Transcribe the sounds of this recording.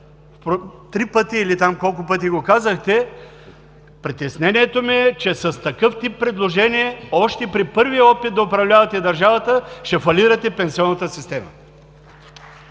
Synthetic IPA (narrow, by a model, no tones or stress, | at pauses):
pot̪ɾipɤt̪iːlit̪amkɔlˠk̬ʊpɤt̪iɡokazɐxt̪ɛ | pɾit̪ɛsnɛniɛt̪omiɛt͡ʃɛsɐst̪ɐkɤft̪ipːɾɛd̪lˠoʒɛniɛɔʃt̪ɛpɾipɤɾvijəɔpit̪̚d̪ɐʊpɾɐvlʲavɐt̪ɛd̪ɐɾʒavət̪əʃt̪ɛfɐliɾɐt̪ɛpɛnsiɔnːɐt̪əsist̪ɛmə̰